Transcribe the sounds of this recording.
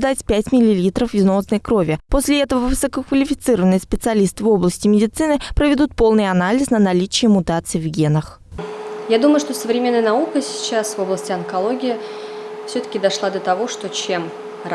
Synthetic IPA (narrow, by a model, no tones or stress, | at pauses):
d̪atʲpʲætʲmʲɪlʲɪlʲit̪ɾəfɪzno̞snəjkɾo̞vʲɪposʲlʲɪɛt̪əvəvɨsəkəkvəlʲɪfʲɪ̥t̪sɨɾəvənɨjspʲɪt̪sɨɐlʲist̪ɨvo̞blˠəsʲtʲɪmʲɪdʲɪt̪sɨnɨpɾəvʲɪd̪ut̪̚po̞lˠnɨjɐnalʲɪsnənɐlʲit͡ɕɪɪmʊt̪at̪sɨjvɡʲe̞nəx | jad̪uməjʊʂt̪osəvɾʲɪmʲe̞nːəjənɐukəsʲɪ̥t͡ɕasvo̞blˠəsʲtʲɪɐnkɐlˠoɡʲɪjɪfsʲɵt̪ə̥kʲɪd̪ɐʂlˠad̪ət̪ɐvo̞ʂt̪ot͡ɕem